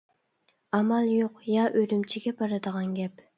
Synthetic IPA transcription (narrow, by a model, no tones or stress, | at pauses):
ɑmɑlˠjoqjɑʔøɾymt͡ʃʰiɡʲɛbɑɾɑd̪əʁɑnɡʲɛp